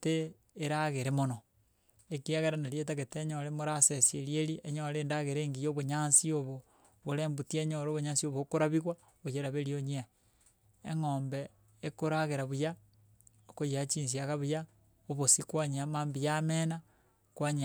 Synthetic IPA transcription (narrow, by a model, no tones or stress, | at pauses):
teː | ɾaɣeɾemono | ekiaɣeɾanaɾjet̬aɣeteɲoɾemoɾasesieɾjeɾiʔeɲoɾeːndaɣeɾeŋɡijoβoɲansioβo | βoɾeːmbutieɲoɾoβoɲansioβokoɾaβiɣwa | βojeɾaβeɾioɲia | ḛŋoːmbeː | koɾaɣeɾaβuja | okojiat͡ʃiːns̬iaɣaβuja | oβosikwaɲiamaːmbijamena | kwaɲ